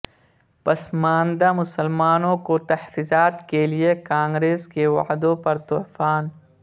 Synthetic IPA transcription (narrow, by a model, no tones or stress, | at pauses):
pɐsmaːnd̪amʊsəlmaːnõkot̪ɐhfiːzaːt̪keliekãːŋɡɾeːskewɐ̰d̪õpɐɾt̪ʊːfaːn